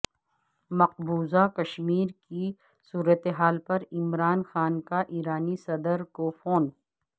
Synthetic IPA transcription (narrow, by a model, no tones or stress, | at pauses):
mɐq̚buːzakɐʃmiːɾki | suːɾət̪eɦaːlpɐɾɪmɾaːnxaːnkaʔiːɾaːnisɐd̪əɾkofoːn